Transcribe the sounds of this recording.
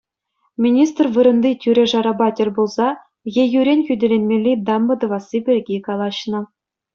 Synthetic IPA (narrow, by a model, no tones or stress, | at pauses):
mʲinʲist̪rvɯɾɤ̆nd̪itʲyɾʲeʐɑɾɑbɑtʲelʲbulˠzɑ | jejyɾʲenʲxʲydʲelʲenʲmʲelʲːejd̪ɑmbɤ̆d̪ɤ̆vɑsibʲerʲɡʲejkɑlˠɑɕnɤ̆